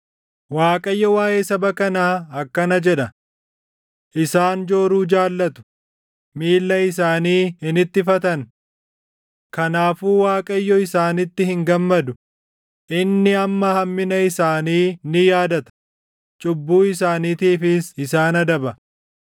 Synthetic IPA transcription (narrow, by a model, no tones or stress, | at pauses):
waːkʼɐjːɔwaːʔeːsɐbɐkɐnaːɐkːɐnɐd͡ʒɛᶑɐ | ʔɪsaːnd͡ʒo̞ːɾuːd͡ʒaːlːɐt̪ʊ̥ | miːlːɐɪs̬aːniːhɪnɪt̪ːɪfɐt̪ɐn | kɐnaːfuːwaːkʼɐjːɔɪsaːnɪt̪ːɪhɪŋɡɐmːɐd̪ʊ | ʔɪnːɪɐmːɐhɐmːɪnɐɪsaːniːnɪjaːd̪ɐt̪ɐ̥ | t͡ʃʼʊbːuːɪs̬aːniːt̪iːfɪsɪsaːnɐd̪ɐbɐ